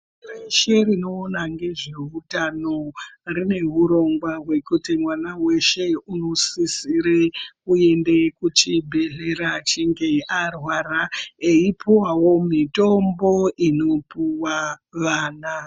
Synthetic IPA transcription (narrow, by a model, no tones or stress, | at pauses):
reʃe̞rino̞ːnaŋɡe̞ʐeutano̞rine̞ɦuɾo̞ŋɡwaɦwe̞kutimwanawe̞ʃe̞uno̞sisiɾekuende̞kut͡ʃibʱe̞ɮe̞ɾat͡ʃiŋɡe̞ʔarwaraeipuwawo̞mito̞mbo̞ʔino̞puwaʋaːna